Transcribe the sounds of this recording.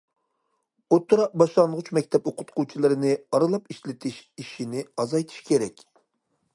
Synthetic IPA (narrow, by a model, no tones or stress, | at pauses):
ot̪ːuɾɑq̚bɑʃlˠɑnʁʊt͡ʃmɛkʲt̪ʰɛpoqʰʊ̥t̪qʰut͡ʃʰilˠɨɾɨnɪɑɾɨlˠɑpiʃlɪt̪ʰɪʃiʃinɪɑzɑjt̪ʰi̥ʃkʲʰeɾɛkʲ